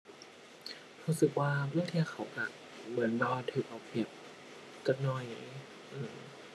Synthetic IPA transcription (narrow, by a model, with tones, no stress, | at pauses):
ɾuː˧˥sɯ˨˩k̚waː˧pʰɯː˧˥˨ŋt̪ʰi˧˩ɐkʰa˧˦wka˧˩ | mɯ˩˦ənbɔ˧a˧t̪ʰɯː˧˩k̚ʔa˧˩bi˨˩əp̚ | kɔ˧˩nːɔ˨˧˩j | ʔɯː˧˩m